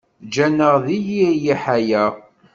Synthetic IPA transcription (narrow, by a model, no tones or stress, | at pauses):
d͡ʒænəʁðijijiħæjæ